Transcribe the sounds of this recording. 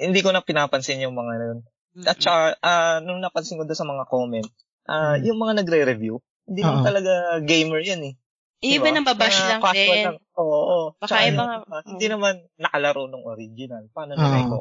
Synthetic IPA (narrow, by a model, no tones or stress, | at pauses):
hɪnd̪iːko̞nɐpɪnaːpɐnsɪnjʊŋmɐŋanon | ʔɐt̪̚t͡ʃɐkaʔanʊŋnɐpɐnsɪnkʊd̪osɐmɐŋako̞mɛnt̪̚ | ʔajʊŋmɐŋanɐɡɾɛɾɛvju | hɪnd̪iːnɐmant̪ɐlɐɡaɡejmɛɹjanɛ | dbaababmɐŋkasoɐŋʔoːʔot͡ʃɐkanahɪnd̪inɐmanːɐkɐlɐɾo̞noŋʔoɾid͡ʒɪnɐlpaːnonɐɐjko